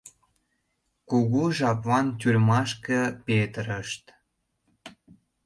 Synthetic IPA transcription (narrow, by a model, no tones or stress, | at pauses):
kuɣuʒɑpvɑnt̪ʲyrʲmɑʃkə̆pet̪əɾəʃt̪